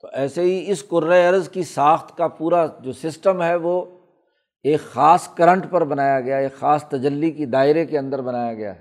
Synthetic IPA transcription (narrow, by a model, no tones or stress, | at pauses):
t̪oʔɛːseɦiɪskʊɾːeɐɾzkisaːxt̪ʰkapuːɾad͡ʒoːsɪsʈəmɦɛʋo | eːkxaːskɐɾə̃ɳʈpɐɾbɐnaːjaɡɐjaeːkxaːst̪ɐd͡ʒəlːikid̪aːɪɾekeɐ̃nd̪əɾbɐnaːjaɡɐja̰ː